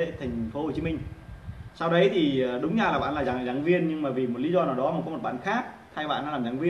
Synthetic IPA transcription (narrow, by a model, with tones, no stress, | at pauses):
ḛ˧˥˨t̪ʰa˨˩jŋ̟fo˨˦ho˨˩t͡ɕi˨˦mï˧ŋ̟sa˧wɗə˨˦jt̪ʰi˨˩˨ɗʊ˨˦ŋ͡mzaː˧laː˨˩ɓa̰ː˧˨nlaː˨˩zaː˨˩zaː˨˩˦ŋvi˧ənɲɨ˧ŋmaː˨˩vi˨˩mo˨˩t̚li˨˦zɔ˧naː˨˩wɗɔ˨˦maː˨˩kɔ˨˦o˨˩t̚ɓa̰ː˧˨nxaː˦˥k̚t̪ʰaː˧jɓa̰ː˧˨na̰ː˧˥laː˨˩mzaː˨˦ŋvi˧ə